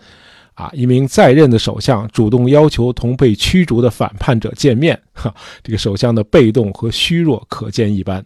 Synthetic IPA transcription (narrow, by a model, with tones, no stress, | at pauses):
ɐ̰˧i˥˩mi˧˥ŋt͡sa˥˧ɪɻə˥˩nd̪ə˩ʂo̰˨˩ʊɕjɑ˥˩ŋʈ͡ʂu˨˩t̪ʊ˥˩ŋjɑ˥ʊt͡ɕʰjo˧˥ʊt̪ʰʊ˧˥ŋpe˥˩ɪt͡ɕʰy˥ʈ͡ʂu˧˥d̪ə˧fa̰˨˩npʰa˥˩nʈ͡ʂɤ̰˨˩t͡ɕjɛ˥˧nmjɛ˥˩n˧ʈ͡ʂɤ˥˩ɡə˩ʂo˨˩ʊɕjɑ˥˩ŋd̪ə˩pe˥˧ɪt̪ʊ˥˩ŋxɤ˧˥ɕy˥ɻwɔ˥˩kʰɤ˨˩t͡ɕjɛ˥˧ni˥˩pa˥n